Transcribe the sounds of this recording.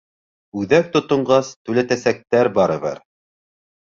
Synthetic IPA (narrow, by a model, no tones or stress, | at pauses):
ʉðæk̚t̪ŏt̪ŏɴɢɑst̪ʉlæt̪æsæk̚t̪æɾbɑɾɤ̆βɤ̰ɾ